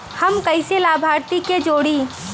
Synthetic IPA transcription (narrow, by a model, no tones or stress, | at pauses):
hɐmkɐɪselaːbʱaːɾt̪iked͡ʒoːɽiː